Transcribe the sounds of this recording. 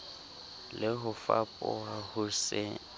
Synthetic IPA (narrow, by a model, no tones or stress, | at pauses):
lɪɦʊfapʼɔ̰wahʊsɪ